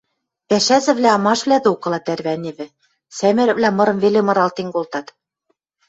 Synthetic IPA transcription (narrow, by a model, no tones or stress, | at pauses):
pæʃæzɘ̆βlʲæɑmɑʃβlʲæd̪ɘokɤ̆lˠɑt̪ærβæneβɘ̆ | sæmɘ̆ɾɘ̆vlæmɤ̆ɾɤ̆mvelemɤ̆ɾɑlt̪eŋɡolt̪ɑt̪